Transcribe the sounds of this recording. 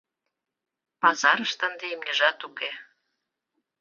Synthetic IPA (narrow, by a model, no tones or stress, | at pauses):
pɑzɑɾəʃt̪ə̆nd̪eimɲʲə̆ʒɑt̪uke